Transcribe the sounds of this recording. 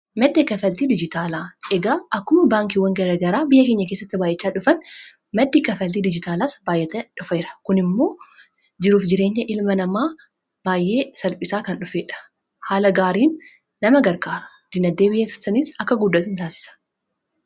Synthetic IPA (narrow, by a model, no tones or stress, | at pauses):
mɐd̪ːeːkɐfɐlt̪iːd̪ɪd͡ʒɪt̪aːlaːɛɡaːʔɐkːʊmɐbaːŋk̬iwːɐŋɡɐɾɐɡɐɾaːbɪjːɐkeɲːɐkeːsːɐt̪ːɪbaːjːʔɛt͡ʃːaːᶑʊfɐn | mɐd̪ːiːkɐfɐlt̪iːd̪ɪd͡ʒɪt̪aːlaːsbaːjʔɛt̪ɛᶑʊfɐɾɐ̥kʊnɪmːo̞ː | d͡ʒɪɾuːfd͡ʒɪɾe̞ːɲːɐʔɪlmɐnɐmaː | b̥aːjʔe̞ːsɐlpʼɪsaːkɐnᶑʊfeːᶑɐ̥ | haːlɐɡaːɾiːnː | ɐmɐɡɐɾɡaːɾɐ̥ | d̪̥ɪnɐd̪ːeːbɪjɛt̪ɐsɐniːsɐkːɐɡʊd̪ːɐt̪ʊnt̪aːsɪ̥sɐ̥